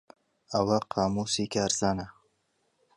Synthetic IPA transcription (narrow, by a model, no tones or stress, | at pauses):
awaqʰaːmusikʲaːɾzana